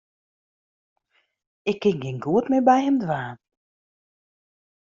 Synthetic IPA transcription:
ɪkːɪŋɡɪŋɡuətmɪbɛjhɪmdʋaːn

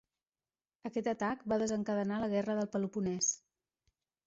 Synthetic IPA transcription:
əkɛt̪ət̪akbaðəzəŋkəðənaləɣɛrəðəlˠpəlupunɛs

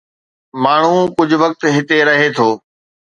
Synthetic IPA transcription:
maːɳ̤ũkʊd͡ʑʱʊ̆ʋək̚t̪ɦɪt̪eɾɐɦet̪ʰoː

